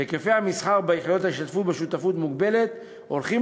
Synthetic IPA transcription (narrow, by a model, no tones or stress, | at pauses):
ekefejamisχaʁbeiχid̪o̞t̪haiʃt̪at̪futbeʃut̪afut̪muɡbe̞le̞t̪ | olχi